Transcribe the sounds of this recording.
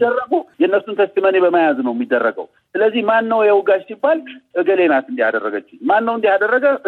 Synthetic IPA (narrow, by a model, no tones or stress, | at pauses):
d̪ːərːəɡəjɛnːəsunt̪ʰəst̪ɨmənebəmajaznəwɛmːid̪ːərːəɡə̰w | sɨləzːihmanːəwjɛwʊɡat͡ʃsibːalʔɨɡəle̞nat̪ɨnd̪iad̪ərːəɡət͡ʃːɪɲmanːəwɨnd̪iad̪ərːəɡə